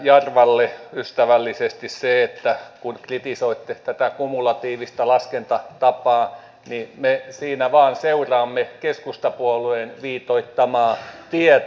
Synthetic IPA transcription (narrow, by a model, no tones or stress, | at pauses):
jɑrʋɑlːeyst̪æʋælːisest̪isseet̪ːækunkrit̪isoit̪ːet̪æt̪ækumulɑt̪iːʋist̪ɑlɑskent̪ɑt̪ɑpɑː | nimesiːnæʋɑːnseurɑːmːekeskust̪ɑpuoluenʋiːt̪oit̪ːɑmɑːt̪iɛ